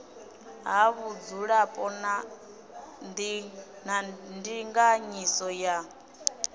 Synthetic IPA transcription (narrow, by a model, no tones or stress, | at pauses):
ɦaβud͡zuɺapʼɔna | nd̪i | nandiŋɡaɲisɔja